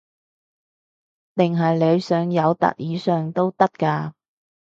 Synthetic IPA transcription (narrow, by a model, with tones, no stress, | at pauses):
t̪ɪ˨˩ŋɦɐ˨jle˨˧jsœː˨˧ŋjɐ˨˧wt̪ɐ̰˨k̚jiː˨˧sœː˨ŋt̪o˥wt̪ɐ˥k̚kaː˧